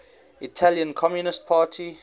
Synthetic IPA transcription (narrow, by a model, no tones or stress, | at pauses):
itʰaljə̃nkʰɔmjunɪst̚pʰaːtʰi